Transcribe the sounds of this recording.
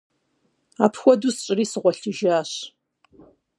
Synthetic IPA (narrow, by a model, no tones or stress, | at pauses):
a̰ːpʰxʷɔduːsɕʼɪriːsɨʁʷɔɬɨʒaːɕ